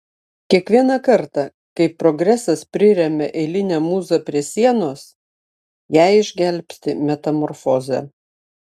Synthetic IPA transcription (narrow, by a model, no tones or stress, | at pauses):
kʲiɛkʋʲiɛnɑkɐɾt̪ɑ | kɐɪpɾɔɡɾʲæsɐspʲɾʲɪɾʲɛmʲɛʔɛɪlʲɪnʲæmuːzɐpʲɾʲiɛsʲiɛnoːs | jæˑɪɪʒʲɡʲɛlʲpʲsʲt̪ʲɪmʲɛt̪ɐmɔɾfoːzʲɛ̰